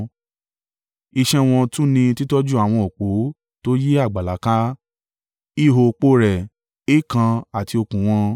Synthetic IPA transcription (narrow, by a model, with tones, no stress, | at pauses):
i˧ʃɛ˦w̃ɔ̃˧tũ˦nĩ˧ti˦tɔ˦d͡ʒu˦a˨w̃ɔ̃˧o˨k͡po˨˦ | to˦je˦a˦˨ɡ͡ba˨la˨˦ka˦ | i˦˨ɦo˨k͡po˧˦ɾɛ˨ | e˦kã˧a˨ti˧o˧kũ˨w̃ɔ̃˧